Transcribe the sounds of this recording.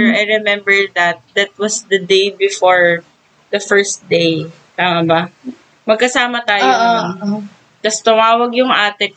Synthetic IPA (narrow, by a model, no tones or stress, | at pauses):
ɐjɹɛmɛmbɛɹd̪ɐt̪̚d̪ɐt̪̚wɐsd̪ɐd̪ejbɪfoɹ | d̪ɐfɛɹst̪̚d̪ej | t̪aːmɐbɐ | mɐɡ̚kɐsaːmɐt̪aːjo | t̪ɐst̪ʊmaːwɐɡjʊŋʔaːt̪ɛ